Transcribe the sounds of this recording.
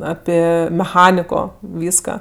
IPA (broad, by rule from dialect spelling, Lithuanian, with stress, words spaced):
ˈɑːpʲɪ mʲɛˈxɑːnʲɪkoː ˈʋʲiːskɐ